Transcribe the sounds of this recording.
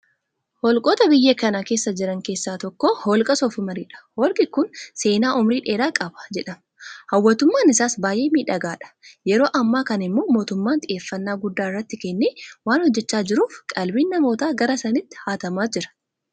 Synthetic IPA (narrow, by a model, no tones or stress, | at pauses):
hɔlkʼoːt̪ɐbɪjːeːkɐnakeːsːɐd͡ʒɪɾɐŋke̞ːsːaːt̪ɔkːoholkʼɐsɔfɪmɐɾiːᶑɐ̥hoːlkʼɪkʊnse̞ːnaːʔʊmɾiːᶑe̞ːɾaːkʼɐbɐ̥d͡ʒɛᶑɐm | hɐwːɐt̪ʊmːaːnɪsaːsbaːjʔe̞ːmiːᶑɐɡaːᶑɐ̥jɛɾo̞ːʔɐmːaːkɐnɪmːoːmoːt̪ʊmːaːnt̪ʼɪʔe̞ːfːɐnːaːɡʊd̪ːaːɪrːɐt̪ːɪkɛnːeːwaːnhɔd͡ʒːɛt͡ʃːaːd͡ʒɪɾuːfkʼɐlbiːnːɐmo̞ːt̪aːɡɐɾɐsɐnɪt̪ːɪ̥haːt̪ɐmaːd͡ʒɪɾɐ̥